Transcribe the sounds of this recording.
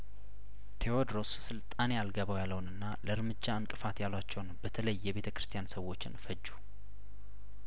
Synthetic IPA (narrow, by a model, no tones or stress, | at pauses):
t̪ʰe̞od̪ɾo̞ssɨlt̪ʼanejalɡəβəwjalːəwnɨnːaləɾmɨd͡ʒːaɨŋkʼɨfat̪jalwat͡ʃːɛwnbət̪ʰələjːɛβe̞t̪ʰəkɾɨ̥st̪ʰijansəwːo̞t͡ʃːɪnfəd͡ʒːu